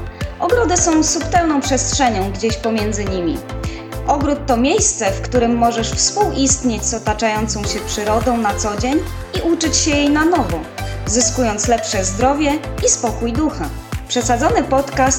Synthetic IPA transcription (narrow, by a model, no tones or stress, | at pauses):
ʔɔɡɾɔd̪ɘsɔ̃w̃supt̪ɛlnɔ̃w̃pʂɛstʂɛɲɔ̃w̃ɡd͡ʑeɕpɔmʲjɛnd̪zɘɲimʲi | ʔɔɡɾut̪ːɔmʲjejst̪sɛfkt̪uɾɘmːɔʐɛʂfspuwʔist̪ɲet͡ɕzɔt̪at͡ʂajɔnt̪sɔ̃w̃ɕɛpʂɘɾɔd̪ɔ̃w̃nat̪sɔd͡ʑeɲ | iʔut͡ʂɘt͡ɕɕɛjejnanɔvɔ | zɘskujɔnt̪slɛpʂɛzd̪ɾɔvʲjɛispɔkujd̪uxa | pʂɛsad̪zɔnɘpɔt̪kast̪